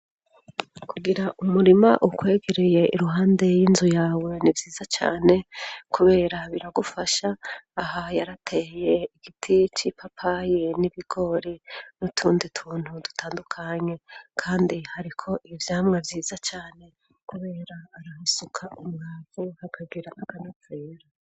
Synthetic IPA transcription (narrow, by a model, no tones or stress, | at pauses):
kuɡiɾaʔumuɾimaʔukwe̞ːɡeɾeje̞ʔḭɾuɦaːnde̞jinzujaːwe̞nivjiːz̥at͡ʃa̰ːne̞kʰuβe̞ːɾaβiɾaɡufaʃaːhajaɾatʰeje̞iɡ̥itʰit͡ʃipapʰajeniβiɡ̥o̞ɾinutʰuːnditʰuːn̥hudu̥tʰaːndukʰaɲe̞kʰaːndihaɾikʰo̞ʔivjaːmŋe̞vjiːzat͡ʃaːne̞ | kuβe̞ːɾaːɾahisukʰaumŋaːzehakʰaɡiɾaʔːkanat͡seːɾa